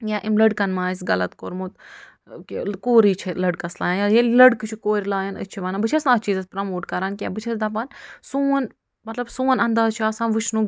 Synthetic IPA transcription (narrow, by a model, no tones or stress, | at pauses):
jaːʔimlɐɽkɐnmãːs̬ɡɐlɐt̪koɾmut̪ | kkoːɾiːt͡ʃʰelɐɽkɐsla̰ːjanjajelɐɽkt͡ʃʰikoːɾʲlaːjɐnə̰t͡ʃʰiʋɐːnabɨt͡ʃʰɐsnaːt͡ʃiːzɐspɾɐmoːʈkɐɾankʲja̰ːbɨt͡ʃʰɐsd̪aːp̬ɐnsuːn | mɐt̪lɐbsuːnɐnd̪aːzt͡ʃʰiaːsãːʋɨt͡ʃʰnũ